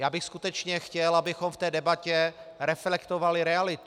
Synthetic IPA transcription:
jaːbɪxskut̪ɛt͡ʃɲɛxcɛlabɪxomft̪ɛːdɛbacɛɾɛflɛkt̪ovalɪɾɛalɪt̪

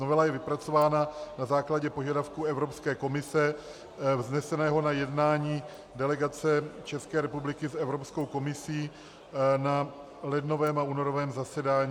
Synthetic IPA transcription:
novɛlajɛvɪpɾat͡so̞vaːnanazaːklaɟɛpo̞ʒadafkuːɛvɾo̞pskɛːko̞mɪsɛ | vznɛsɛnɛːɦo̞najɛdnaːɲiː | dɛlɛɡat͡sɛt͡ʃɛskɛːɾɛpublɪkɪsɛvɾo̞psko̞wko̞mɪsiː | na | lɛdno̞vɛːmauːno̞ɾovɛːmzasɛdaːɲː

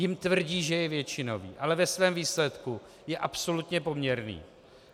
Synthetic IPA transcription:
jɪmt̪vr̩ɟiːʒɛjɛvjɛt͡ʃɪno̞vḭːʔalɛvɛsvɛːmviːslɛt̪ku | jɛʔapso̞lut̪ɲɛpo̞mɲɛɾnḭː

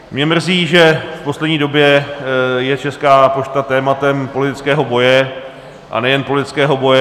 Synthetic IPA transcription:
mɲɛmr̩ziːʒɛfpo̞slɛdɲiːdo̞bjɛ | jɛt͡ʃɛskaːpot͡ʃt̪at̪ɛːmat̪ɛmpolɪt̪ɪt͡skɛːɦo̞bo̞jɛ | ʔa̰nɛjɛnpo̞lɪt̪ɪ̥t͡skɛːɦo̞bo̞jɛ

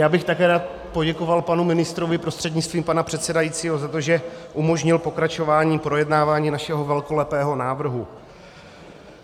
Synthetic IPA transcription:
jaːbɪxt̪akɛːɾaːt̪̚ | po̞ɟɛko̞valpanumɪnɪst̪ɾo̞vɪpɾo̞st̪r̥ɛdɲɪt͡st̪viːmpanapr̥ɛt̪sɛdajiːt͡siːɦo̞zat̪o̞ʒɛʔumo̞ʒɲɪlpo̞kɾat͡ʃo̞vaːɲiːpɾo̞jɛdnaːvaːɲiːnaʃɛɦo̞vɛlko̞lɛpɛːɦo̞naːvr̩ɦu

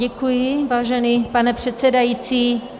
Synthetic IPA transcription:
ɛkujɪvaːʒɛniːpanɛpr̝̥ɛt̪sɛdajit͡siː

